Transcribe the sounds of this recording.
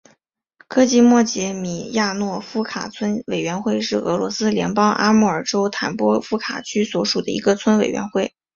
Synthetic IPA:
kʰɤ˥t͡ɕi˥˧mwɔ˥˩t͡ɕjɛ˧˥mi˨˩ja˥˧nwɔ˥˩fu˥kʰa̰˨˩t͡sʰwə˥nwe˨˩ɪɥɛ˧˥nxwe˥˧ɪʂɻ̩˥˩ɤ˧˥lwɔ˧˥sɹ̩˥ljɛ̰˧˥npɑ˥ŋʔa̰˥mu˥˩ə˞˨˩ʈ͡ʂo˥ʊt̪ʰa˧˥npwɔ˥fu˥kʰa̰˨˩t͡ɕʰy˥swɔ˧˥ʂu˨˩d̪ə̰˦i˧˥ɡə˧t͡sʰwə˥nwe˨˩ɪɥɛ̰˧˥nxwe˥˩ɪ

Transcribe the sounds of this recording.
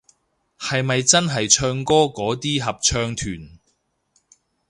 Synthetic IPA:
hɐ˨jmɐ˨jt͡sɐ˥nɦɐ˨jt͡ʃʰœː˧ŋkɔː˥kɔː˨˥t̪iː˥ɦɐ˨p̚t͡ʃʰœː˧ŋt̪ʰyː˨˩n

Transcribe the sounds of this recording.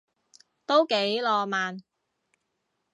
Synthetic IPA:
t̪o˥wke˨˥jlɔː˧maː˨n

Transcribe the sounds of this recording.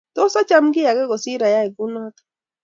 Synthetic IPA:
t̪ɔ˦sa˦t͡ʃa˦mɡɪ˦ja˨ɡɛ˦ɡɔ˨si˦ɾa˨ja˦ɛ˨ɡu˦na˦t̪

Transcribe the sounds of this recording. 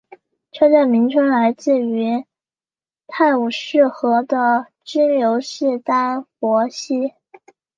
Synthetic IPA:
ʈ͡ʂʰɤ˥ʈ͡ʂa˥˩nmi˧˥ŋʈ͡ʂʰwə˥ŋla˧˥ɪt͡sɹ̩˥˩y˧˥ | t̪ʰa˥˩ɪu˨˩ʂɻ̩˥˩xɤ˧˥d̪ə˧ | ʈ͡ʂɻ̩˥ljo˧˥ʊʂɻ̩˥˩t̪a˥nfwɔ˧˥ɕi˥

